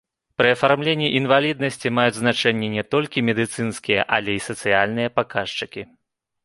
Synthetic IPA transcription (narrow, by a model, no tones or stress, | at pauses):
pɾɨɐfarmlʲenʲːiʔinvalʲid̪nɐsʲt͡sʲimajud͡zʲznat͡ʂɛnʲːɛnʲɛt̪ɔlʲkʲimʲɛd̪ɨt̪sɨnskʲijɛ̰ʔalʲɛisɐt̪sɨjalʲn̪ɨjɐpakaʂt͡ʂɨkʲi